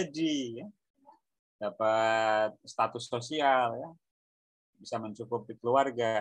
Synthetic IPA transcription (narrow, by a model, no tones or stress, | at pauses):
dija | d̥apat̪̚st̪at̪ʊsosialja | bisaməɲt͡ʃukupikəluarɡa